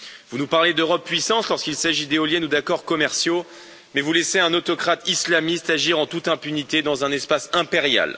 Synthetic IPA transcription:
vunupaʁled̪øʁɔpːɥisɑ̃slɔʁskilsaʒid̪eɔljɛnud̪akɔʁkɔmɛʁsjo | mɛvulɛseɛ̃not̪ɔkχat̪islamist̪aʒiʁɑ̃t̪ut̪ɛ̃pynit̪ed̪ɑ̃zɛ̃nɛspasɛ̃peʁja̰l

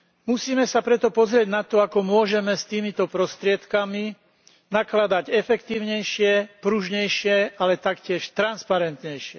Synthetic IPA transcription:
musiːmɛsapɾɛt̪ɔpɔzɾɪɛɟnat̪ɔakɔmʊɔʒɛmɛst̪iːmit̪ɔpɾɔst̪ɾɪɛt̪kami | naklad̪aɟɛfɛkt̪iːʊɲɛjʃɪɛpɾuʒɲɛjʃɪɛalɛt̪akcɪɛʃt̪ɾanspaɾɛnt̪ɲɛjʃɪɛ

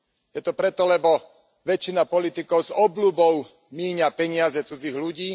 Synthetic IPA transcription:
jɛt̪ɔpɾɛt̪ɔlɛbɔ | ʋɛt͡ʃːinapɔlit̪ikɔʊzɔblubɔʊ | miːɲapɛɲɪazɛt͡sud͡ziɣluɟiː

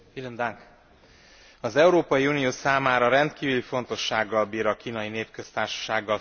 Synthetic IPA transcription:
filind̪aŋk | ɒzɛuɾoːpɒjiuːnijoːsaːmaːɾɒɾɛnt̪kiːvylifo̞n̪t̪o̞ʃːaːɡːɒlbiːɾɒkiːnɒjineːpkø̞st̪aːrʃɒ̥ʃaːɡːɒl

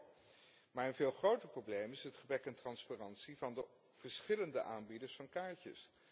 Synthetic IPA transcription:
maːɹənvɪːlˠχrowtəɹprowblejmɪsɦətχəbrɛkɛntrɑnsparɑntsivɑndə | v̥əɹsχɪləndəʔaːnbidəɹsfɑnkaːɹcə̰s

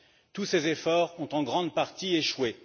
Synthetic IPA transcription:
t̪usezefɔʁɔ̃t̪ɑ̃ɡʁɑ̃d̪paʁt̪ieʃwe

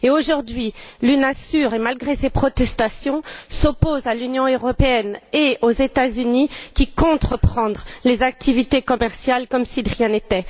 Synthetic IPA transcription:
eoʒuʁd̪ɥilynɛ̃syʁemalɡʁesepχɔt̪ɛst̪asjɔ̃sopozalynjɔ̃øʁɔpeɛneozet̪azynikʲikɔ̃t̪χəpχɑ̃d̪ʁlezak̚t̪ivit̪ekɔmɛʁsjalkɔmsid̪ʁjɛ̃net̪ɛ

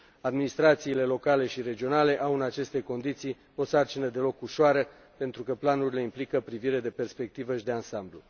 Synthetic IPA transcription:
ad̪minist̪ɾat̪siːle̞lo̞kale̞ʃiɾe̞d͡ʒio̞nale̞ʔawɨnat͡ʃe̞st̪e̞ko̞nd̪it̪sij | o̞sart͡ʃinəd̪e̞lo̞kuʃoaɾə | pe̞nt̪ɾukəplanuɾʲile̞implikəpɾiviɾe̞d̪e̞pe̞rspe̞k̚t̪ivəʃid̪e̞ansamblu

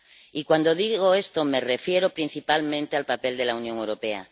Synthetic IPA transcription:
ikwand̪oðiɣoe̞st̪ome̞refje̞ɾopɾin̟θipalmẽnt̪ealpape̞ld̪e̞launjoŋewɾo̞pe̞a̰

